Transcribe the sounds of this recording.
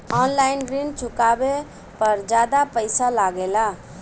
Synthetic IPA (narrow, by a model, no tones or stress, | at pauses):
ɔnlainɾint͡ʃʰukabe | pəɾd͡ʒad̪apəjsalaɡela